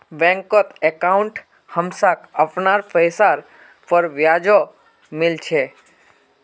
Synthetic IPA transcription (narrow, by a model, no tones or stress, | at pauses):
bɛ̃ŋkɔt̪ekaʊɳʈ | həmsakəpnaɾpʰəjsaɾ | pəɾʋjad͡ʒo | mɪlt͡ʃʰe